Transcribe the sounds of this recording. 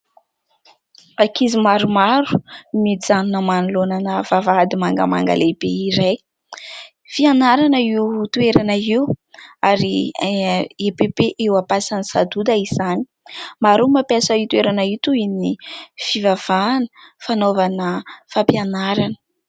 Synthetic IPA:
akizimaɾumaɾu̥mid͡zanunəmanulonanəvavad̪imaŋɡə̰ma̰ŋɡa̰lebeiɾaj | fianaɾanəiut̪weɾanəiuaɾi | epebeʔewapasanisad̪ud̪aizani̥ | maɾumapjasait̪ueɾanait̪uinifivav̥anə̥fanovanəfapianaɾanə̥

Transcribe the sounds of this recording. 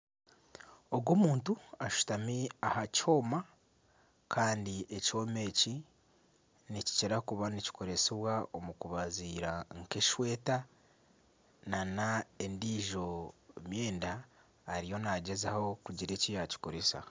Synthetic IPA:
o̞ɡwomuːntuaʃu̥tamiahaco̞ːma | kʰaːndieco̞me̞ːci | nici̥ceɾakuβanici̥kʰo̞ɾe̞siβwaomukuβaziːɾaŋke̞ʃwe̞ːta | nanaendiːʒo̞mje̞ːndaː | ɾijo̞naɟe̞zaho̞kuɟiɾe̞cijaci̥koɾesa̰

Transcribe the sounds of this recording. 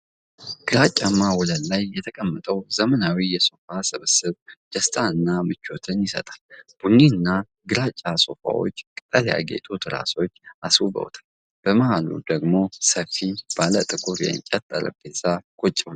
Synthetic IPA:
ɡ̥ɨɾat͡ʃʼːamawɔləllajːɛt̪ʰəkʼəmːət̪ʼəwzəmənawijɛso̞fasɨβɨsɨβd͡ʒ̪̥əst̪ʰʼaɨnːamɨt͡ʃːo̞t̪ʰɨnjɪsə̰t̪ʼḁlb̥unːiɨnːa | ɡɨɾat͡ʃʼaso̞fa̰wo̰t͡ʃːkʼɨt̪ʼəlja̰ɡḛt̪ʼut̪ʰɾa̰so̞t͡ʃːaswubə̰wt̪ʰal | b̥əməhalṵd̪əɡmo̞səfːib̥alət̪ʼɨkʼuɾjɛ̰nt͡ʃʼɛt̪ʼːə̰ɾə̰bezakʼot͡ʃʼːɛwn

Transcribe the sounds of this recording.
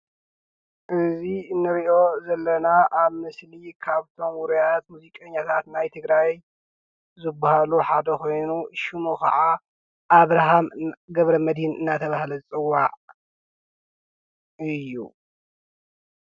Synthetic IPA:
ʔɨzinɨɾiʔo̞zɐlːɐnaʔaβmɨslikʰaβt̪ʰo̞mwʊɾujat̪muzikʼɐɲːat̪ʰat̪najt̪ʰɨɡɾaj | zɨbːahaluħad̪ɐko̞jnuʃimokʰa̰ʕa | ʔaβɾaɦamɡɐβɾɐmɐd̪hinʔɨnːat̪ʰɐβahlɐzɨt͡sʼɨwːaʕ | ɨjːṵ

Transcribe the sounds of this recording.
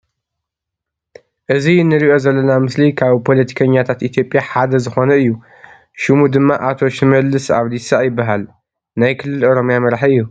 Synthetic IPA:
ʔɨzinːɨɾiʔo̞zɐlːɐnamɨslikʰaβpʰo̞lɐt̪ʰi̥kʰɐɲːat̪ʰat̪ʔit̪ʰjo̞pʼjaħad̪ɐzɨxo̞nɐɨjːu | ʃɨmud̪ɨmːaʔat̪ʰo̞ʃɪmɐlːɨsa̰βlisajɪbːaɦal | najkʰɨlːɨloɾo̞mjamɐɾħiɨjːu

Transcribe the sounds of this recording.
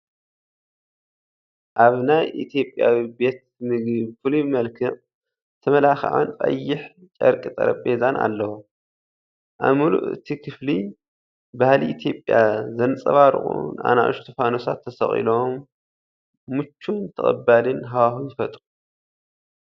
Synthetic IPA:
ʔaβnajʔḭt̪ʰjo̞pʼjawibe̞t̪mɨɡɨβfɨlimɐlkʰɨʔ | t̪ʰɐmɐlaxʕa̰nfʼa̰jːɪħt͡ʃʼɐ̰ɾkʼit̪ʼɐ̰ɾɐ̰pʼezanʔa̰lːɐwo | ʔa̰βmulṵʔɨ̰t̪ʰikʰɨfli | bahliʔit̪ʰjo̞pʼjazɐnt͡sʼɐβaɾɨ̰χʼṵnʔa̰na̰ʔṵʃt̪ʰufanosat̪ʰːɐsɐχʼḭlom | ut͡ʃːunt̪ʰɐχʼɐbːalɨnɦawahujɪfɐt̪ʼu

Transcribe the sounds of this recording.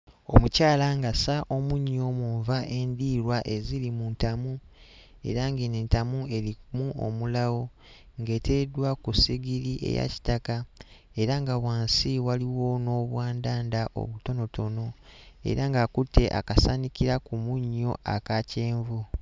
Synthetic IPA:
o̞̰mucaːlaŋɡasaʔo̞muɲːo̞muɱvaʔe̞ːndiːɾwaʔe̞zilimuntamu | e̞̰ɾaŋɡineːntamue̞limuo̰mulawo̞ | ŋɡe̞ːtedwakusiɡiɾiʔḛja̰ci̥taka | e̞ɾaŋɡaβwaːnsiwaliwo̞no̞ːβwaːndaːndaʔo̞̰βuto̞no̞to̞no̞e̞̰ɾaŋɡakutʰːe̞ʔa̰kasanikiɾakumuɲːo̞a̰kace̞ːɱvu

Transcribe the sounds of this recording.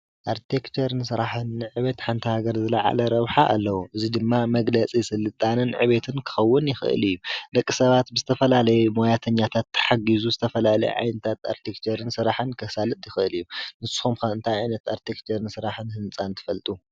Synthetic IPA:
ʔaɾt̪ʰekt͡ʃʰeɾnsɨɾaħɨnːɨʕɨβet̪ħant̪ʰihaɡɐɾzɨla̰ʕa̰lɐɾɐβħaʔa̰lːɐwuʔɨzid̪ɨmːamɐɡlɐt͡sʼisɨlːɨt̪ʼanɨnʕɨ̰βet̪ʰɨnkʰɨ̥xɐwːʊnjɪxɨʔɨ̰lɨjːud̪ɐkʼːisɐβat̪̚bɨzɨt̪ʰɐfɐlalɐjumojat̪ʰɐɲːat̪ʰat̪ʰːɐ̥ħaɡizuzɨt̪ʰɐfɐlalɐ̰jɛ̰ʕa̰jnɐt̪ʰat̪a̰ɾt̪ʰekt͡ʃʰeɾɨnsɨɾaħɨnkʰɐsalɨt̪ʼjɪxɨlijːunɨsɨ̥xomkaɨnt̪ʰajʕajnɐt̪aɾt̪ʰekt͡ʃeɾɨnsɨɾaħɨnhɨnt͡sʼant̪ʰɨ̥fɐlt̪ʼu

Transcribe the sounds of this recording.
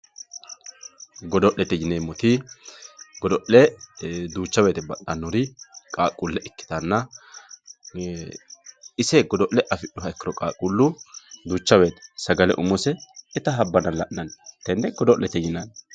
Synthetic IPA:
ɡɔd̪ɔʔlːɛt̪ːɛjɪneːmːɔt̪ɪ | ɡɔd̪ɔʔlɛd̪uːt͡ʃːɐweːt̪ɛbɐtːɐnːɔɾɪkʼaːkʼːulːɛʔɛkːɪ̥t̪ɐnːɐ | ɪsɛɡɔd̪ɔʔlɛʔɐfɪɗɔɦɐɛkːɪɾɔkʼaːkʼulːʊd̪uːt͡ʃːɐweːt̪ɛ̥sɐɡɐlɛ̰ʔʊmʊsɛɛt̪ɐɦɐbːɐnɐlɐʔnɐnt̪ːɛnːɛɡɔd̪ɔʔlɛt̪ːɛjɪnɐn

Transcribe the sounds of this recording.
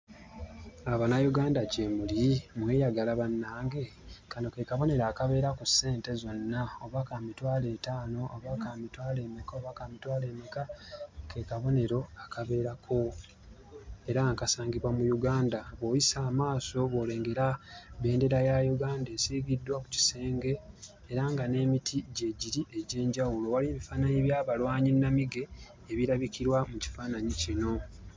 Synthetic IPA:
aβanajuɡaːndacemulimwe̞ːjaɡalaβanːaːŋɡe̞ | kano̞ke̞kaβo̞ne̞ɾaːkaβe̞ːɾakusːe̞ːnte̞zo̞nːaoβakamitwaːle̞ːtaːno̞oβakaːmitwaːle̞ːmekaoβakamitwaːle̞ːmekake̞kaβo̞ne̞ɾo̞akʰaβe̞ːɾakʰo̞ | e̞ɾaŋkasaːŋɡiβwamujuɡaːndaβo̞ːjisaːmaːso̞βo̞ːle̞ːŋɡe̞ɾaβe̞ːnde̞ɾajajuɡaːnde̞siːɡidːwaku̥ci̥se̞ːŋɡe̞ː | ɾaŋɡane̞ːmitʰiɟe̞ɟiɾiʔe̞ɟe̞ːɲɟawulo̞waliβifaːnaɲiβjaːβalwaːɲinːamiɡe̞ː | βiɾaβikiɾwamuci̥faːnaɲicino̞

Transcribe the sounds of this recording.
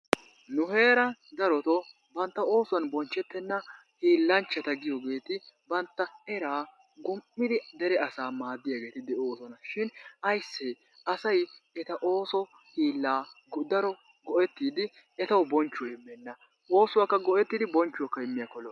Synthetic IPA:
nʊɦe̞ːɾɐd̪ɐɾɔt̪ɔ | bɐnt̪ːɐo̞ːsʊwɐnbɔnt͡ʃːɛt̪ːɛnːɐ | hiːlːɐnt͡ʃːɐt̪ɐɡɪjɔɡe̞ːt̪ɪbɐnt̪ːɐɛɾaː | ɡʊmʔːɪd̪ɪd̪ɛɾɛɐsaːmaːd̪ːɪjaɡe̞ːt̪ɪd̪ɛʔɔoːsɔnɐʃɪnɐjsːe | ɐsɐjɛt̪ɐʔo̞ːsɔ | hiːlːaː | d̪ɐɾɔ | ɡɔʔɛt̪ːiːd̪ɪ | ɛt̪ɐwbɔnt͡ʃːʊwɪmːɛnːɐ | oːsʊwaːkːɐɡɔʔɛt̪ːiːd̪ɪbɔnt͡ʃːʊwɐkːɐɪmːɪjɐkɔlɔ

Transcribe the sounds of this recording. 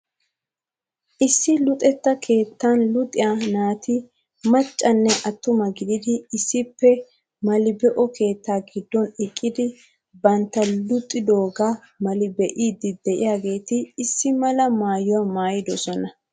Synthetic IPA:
ʔɪsːɪlʊt̪ʼɛt̪ːɐkʰe̞ːt̪ːanlʊt̪ʼɪjanaːt̪ʰɪ | mɐt͡ʃʼːɐnːɛʔɐt̪ːʊmɐɡɪd̪ɪd̪ɪɪsːɪpːɛ | mɐlɪbɛʔɔkʰe̞ːt̪ːaːɡɪd̪ːɔnɪkʼːɪd̪ɪ | bɐnt̪ːɐlʊt̪ʼːɪd̪oːɡa | mɐlɪbɛʔiːd̪ːɪd̪ɛʔɪjaːɡe̞ːt̪ɪːsːɪmɐlɐmaːjʊwamaːjɪd̪ɔsɔnɐ

